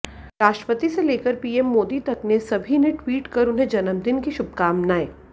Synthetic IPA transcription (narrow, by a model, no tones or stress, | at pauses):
ɾaːʃʈɾəpət̪iseleːkəɾpiːemːoːd̪it̪ɐknesɐbʱineʈwiːʈkɐɾʊnɦẽd͡ʒɐnəmd̪ɪnkiʃʊb̚kaːmnaːeː